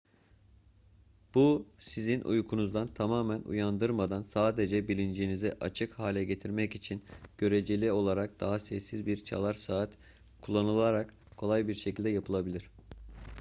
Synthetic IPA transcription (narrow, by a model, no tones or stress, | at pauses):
b̥usizinʔṵjkʰunuzd̪ant̪ʰamaːmænṵjand̪ɯɾmad̪ansaːd̪e̞d͡ʒɛbilʲind͡ʒiːniziʔat͡ʃʰɯkhaːlʲɛɟe̞t̪ʰiɾmɛcit͡ʃʰinɟ̥ø̞ɾed͡ʒelʲio̞lˠaɾak̚d̪̥aɦasɛsːizbiɾt͡ʃʰa̰lˠaɾsaːt̪ | kʰulˠːanɯlˠaɾak | kʰːo̞lˠajbiɾʃecʰilʲd̪ɛjapʰɯlˠabilʲiɾ̝̥